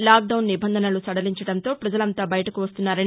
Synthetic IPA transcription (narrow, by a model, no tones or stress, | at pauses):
laːɡ̚ɖɐwnːibɐnd̪ʱɐnɐlusɐɽɐliɲt͡ʃɐɽɐnt̪o̞ːpɾɐd͡ʒɐlɐnt̪aːbɐjɐʈɐkuʋɐst̪unːaːɾɐni